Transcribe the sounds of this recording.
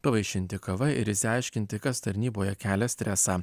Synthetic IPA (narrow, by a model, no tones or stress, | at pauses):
pɐʋɐɪʃʲɪnʲt̪ʲɪkɐʋɐɪ̰ɾɪsʲɪɐɪʃʲkʲɪnʲt̪ʲɪkɐst̪ɐɾʲnʲiːboːjɛkʲæːlʲɛsʲt̪ʲɾʲɛsɑː